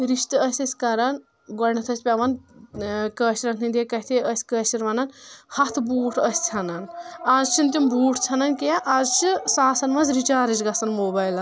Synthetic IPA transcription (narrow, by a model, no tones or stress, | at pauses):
ɾiʃt̪ɨɐsʲɐsʲkɐɾɐn | ɡɔnɐt̪ʰɐsʲpʲɐʋɐn | kɐːʃiɾɐkʰnind̪ekɐt̪ʰiəsʲkɐːʃiɾʋɐnɐnhɐt̪ʰbuːʈʰɐsʲt͡sʲʰɐnɐnazt͡ʃʰint̪imbʱuːʈʰt͡sʲʰɐnɐnkeʔazt͡ʃʰisaːsɐnmɐzɾit͡ʃaːɾɐt͡ʃɡɐsɐnmoːbɐːjlɐn